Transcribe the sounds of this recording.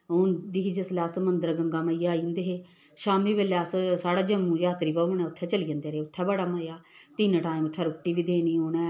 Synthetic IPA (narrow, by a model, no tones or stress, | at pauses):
oːnd̪iːɦiːd͡ʒəslɛːsmənd̪əɾɡəŋɡaːməijaːind̪eːɦeː | ʃaːmiːʋelɛːssaːɽaːd͡ʒəmːũːd͡ʒaːt̪ɾiːbəonɛ̃ːʊt̪ʰːɛːt͡ʃəliːə̃nd̪eːɾeeːʊt̪ʰːɛːbəɽaːmajaːt̪iːnʈaːĩmʊt̪ʰːɛːɾʊʈːiːʋiːd̪eːniːoːnɛ̃ː